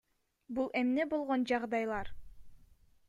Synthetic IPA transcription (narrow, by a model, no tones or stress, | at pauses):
bulˠemnebolˠʁond͡ʒɑʁd̪ɑjlˠɑɾ